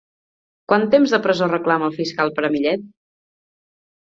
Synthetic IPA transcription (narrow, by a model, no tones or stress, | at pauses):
kwant̪emzðəpɾəzorəklaməlˠfiskalˠpəɾəmiʎɛt̪̚